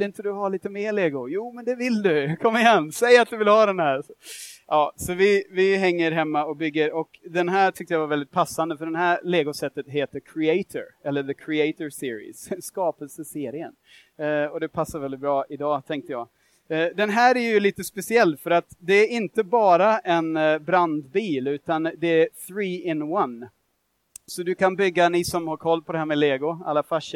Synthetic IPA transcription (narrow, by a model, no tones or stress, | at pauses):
ɪnt̪əd̪ɵhaliːt̪əmeːleːɡʊjuːmɛnd̪ɛvɪld̪ɵkʰɔmːɪɦɛnːsɛjːat̪̚d̪ɵvɪlhɑːd̪ɛnɦæːɾsɔʔɑːsɔvɪvɪɦɛŋːəɾɦɛmːaɔkbʏɡːəɾɔkd̪ɛnɦæːʈʰʏk̚t̪əjavaɾvɛld̪ɪt̪̚pʰasːand̪əfœɖɛnɦæːɾleːɡʊsɛt̪ːət̪ɦeːt̪əɾkʰɾɪɛɪt̪ʰɔ̰ɾɛlːəɾðəkʰɾɪɛɪt̪ɔsɪːɾɪ̰sskɑːpəlsəseːɾɪə̰n | ɔd̪ɛpʰasːaɾvɛld̪ɪt̪̚bɾɑːʔɪd̪ɑːt̪ʰɛŋk̚t̪əjɑː | d̪ɛnɦæːɾæɾjɵliːt̪əspɛsɪɛlːfœɾat̪d̪ɛæɾɪnt̪əbɑːɾaʔɛnbɾand̪biːlʉ̟ːt̪and̪ɛæθɾiːɪnwan | sɔd̪ɵkʰanbʏɡːanɪsɔmhaɾkʰɔlːpʰɔd̪ɛhæːɾmɛleːɡʊa̰lːafaʂ